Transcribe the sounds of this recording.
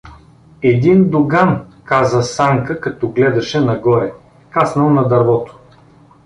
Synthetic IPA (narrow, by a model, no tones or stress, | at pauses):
ɛd̪ind̪ʊɡankazəsaŋkəkɐt̪ɔɡlɛd̪ɐʃɛnɐɡɔɾɛ | kasnɐlˠnɐd̪ɐɾvɔt̪o̥